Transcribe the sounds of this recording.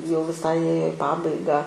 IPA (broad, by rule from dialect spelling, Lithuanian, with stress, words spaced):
jɛʊ ʋʲɪˈsɐɪ ˈeːjoː ɪ ˈpɑːbɐɪɡɑː